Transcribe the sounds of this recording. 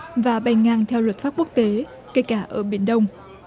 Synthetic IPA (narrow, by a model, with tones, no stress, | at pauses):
vaː˨˩ɓa˨˩jŋaː˧˩ŋt̪ʰɛ˧wlə˨˩t̚faː˦˥p̚ku˦˥ək̚t̪e˨˦ | keː˧jkaː˧˩ʔəː˧˩ɓi˧˩ənɗə˧wŋ͡m